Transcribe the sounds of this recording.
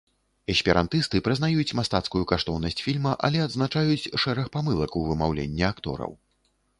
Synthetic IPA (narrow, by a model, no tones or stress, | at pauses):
ɛsʲpʲiɾa̰nt̪ɨst̪ɨpɾɨznajut͡sʲmast̪at̪skujukaʂt̪ɔwnɐsʲt͡sʲfʲilʲmɐʔɐ̰lʲɛad̪znat͡ʂajut͡sʲʂɛɾɐxpamɨlˠɐkɐwvɨmawlʲḛnʲːɛakt̪ɔ̰ɾɐ̰w